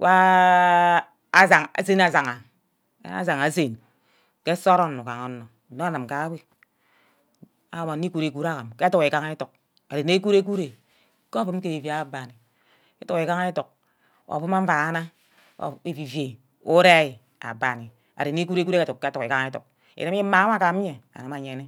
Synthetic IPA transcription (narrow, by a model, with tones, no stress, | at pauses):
wʔa˦ | a˦za˨ŋa̰˨se˦na˨za˨ŋa̰˨˦ | a̰˦za˨ŋa˨˦se˨n | ke˦so˦ɾo˦nːu˨ka˨ŋo˨˦nːo˨no˦a˦˨na˨mka˨˦we˦ | a˨˦ma˨n˦i˦ku˨ɾe˨ku˦ɾa˦ka˨mke˦a˦tu˨ke˨ka˦ŋ˦e˦to˨k̚ | a˨ɾe˨ne˦ku˦ɾe˦k̬u˦ɾe˨˦ | ko˦bu˦m˦ke˦˨vi˨a˦˨ba˨ni˨ | e˦tu˨ke˨ka˦ŋa˦e˦to˨k̚ | a̰˨fu˦ma˦ɱ̩˦a˨˦na̰˦˨ | e˨vi˨ve˨ | o˦ɾe˦i˨ | a̰˨ba˨ni˨ | a̰˨ɾe˨ne˦ku˦ɾe˦ku˦ɾe˦e˦˨u˨ke˦tu˨ki˨ka˦ŋ˦e˦tṵ˨k̚ | ḛ˨ɾe˦m˦e˦ma˨˦ma˦ka˨˦m˦ɲe˨a̰˨na˨ma˨ɲe˨ne˦